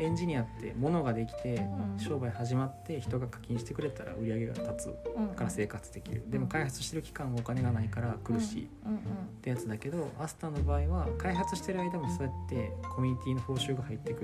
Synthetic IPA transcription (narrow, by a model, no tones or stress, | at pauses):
ẽ̞ɲ̟d͡ʑiɲ̟iat̪ːe̞̰mo̞no̞ɡad̪e̞kʲi̥t̪e̞ɕo̞ːbaihaʑimat̪ːe̞çi̥t̪o̞ɡakḁkʲĩɰ̃ɕi̥t̪e̞kɯ̟ɾe̞t̪aɾa̰ɯ̟ɾʲiaɡe̞ɡa̰t̪at͡sɨ̰kaɾase̞ːkat͡sɨd̪e̞kʲḭɾɯ̟̰d̪e̞mo̞kaiɦat͡sɨ̥ɕit̪eɾɯ̟kʲi̥kãɰ̃βaokane̞ɡanaikaɾakɯ̟ɾɯ̟ɕḭː | t̪ːe̞jat͡sɨd̪ake̞d̪o̞asɨ̥t̪anːo̞baːiβakaiɦat͡sɨɕi̥t̪e̞ɾɯaid̪amo̞soet̪ːe̞kʰo̞mʲiɲ̟it̪ʲiːno̞ho̞ːɕɨːɡahait̪ːe̞kɯ